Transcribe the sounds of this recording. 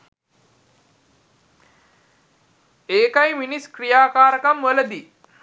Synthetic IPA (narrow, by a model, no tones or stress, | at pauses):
eːkajminiskrijaːkaːɾəkamʋələd̪i